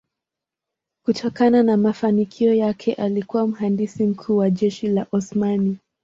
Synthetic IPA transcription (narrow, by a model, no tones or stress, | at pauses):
kutʰɔkananamafanikʰiɔjakʰɛʔalikuwam̩ɦandisim̩kʰuːwaʄɛʃilaʔɔsmani